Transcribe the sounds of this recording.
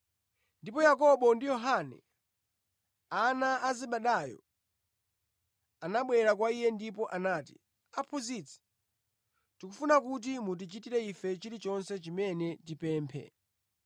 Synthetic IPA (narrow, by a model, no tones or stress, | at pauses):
ndipɔjakɔɓɔndijɔɦanɛ̰ | anaaziɓaɗajɔ̰ | anaɓwɛɾak̬waijɛndip̬ɔʔanaːti̥̰ | apʰuzit͡sʰɛ̥ | tikufunak̬ut̬imut̬it͡ʃitiɾɛifɛt͡ʃiɾit͡ʃɔnsɛt͡ʃimɛnɛtipɛːmpʰɛ̰